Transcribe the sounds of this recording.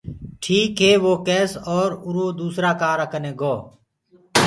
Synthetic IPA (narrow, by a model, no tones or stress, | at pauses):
ʈʰiːkɦeːʋoːkɛːsɔːɾʊɾoːd̪uːsɾaːkaːɾəkʰənẽːɡoː